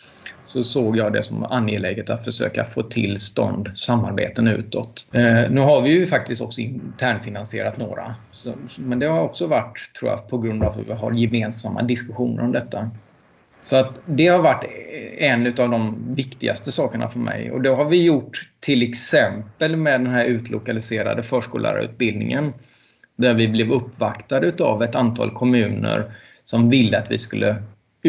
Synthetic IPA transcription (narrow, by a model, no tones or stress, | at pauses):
sɔsoːɡjɑːd̪ɛ̰sɔma̰njeːlɛːɡət̪at̪fœʂø̰ːka̰foːt̪ʰɪlːst̪ɔ̰nd̪samːa̰ɾbḛːt̪ənʉ̟̰ːt̪ɔt̪nʉ̟ːɦaɾvɪjɵfak̚t̪ɪst̪ɔksɔɪnt̪ʰæːɳfɪnansɪḛːɾat̪no̰ːɾa̰ | sɔmɛnd̪ɛhaɾɔksɔvaʈːt̪ʰːɾuːja̰pʰɔɡɾɵnd̪avhɵ̰vɪɦa̰ɾjɛmeːnsamːa̰d̪ɪskɵɧuːnəɾɔmd̪ɛt̪ʰːa | sɔat̪d̪ɛhaɾvaʈːɛnʉ̟t̪avd̪ɔmvɪkt̪ɪɡa̰st̪əsɑːkəɳa̰fœɾmʔɛ̰jɔ̰d̪ɛɦaɾvɪjʊʈːt̪ʰːɪlɛksɛmpəlmɛd̪ɛnɦæːɾʉ̟ːt̪ʰlʊkalɪseːɾa̰d̪əfœːʂkuːlʔa̰ɾʉ̟ːt̪̚bɪld̪nɪ̰ŋən | d̪æɾvɪblɛvɵpːvakt̪ad̪əʉ̟ːt̪avɛt̪ant̪ʰɑ̰ːlkʰɔmʉ̟ːnə̰ɾ | sɔmvɪlːəat̪vɪ̰skɵlːə